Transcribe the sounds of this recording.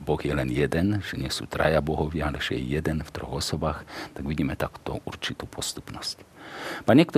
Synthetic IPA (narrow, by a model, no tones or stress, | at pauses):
bɔɣjɛlɛnjɛd̪ɛnʒ̥ɛɲɪɛsṵːt̪ɾa̰jabɔɦɔʋɪaalɛʒ̥ɛjɛ̰jɛd̪ɛnft̪ɾɔ̰ɣɔsɔbaːxt̪aɡʋiɟiːmɛt̪aku̥ːt̪ɔ̰ʔuɾt͡ʃit̪uːpʰɔst̪u̥pnɔscpaɲɛkt̪ɔ